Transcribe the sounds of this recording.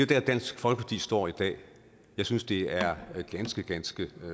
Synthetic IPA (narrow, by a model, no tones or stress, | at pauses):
d̥e̝d̥æɐd̥æn̰sɡ̥fɒ̽lɡ̥əpʰɑ̈t͡sʰḭːsd̥ɒ̰ːid̥ɛ̰ː | jɑ̈ɪsynsd̥e̝æɐɡ̥ænsɡ̥əɡ̥ænsɡ̥ə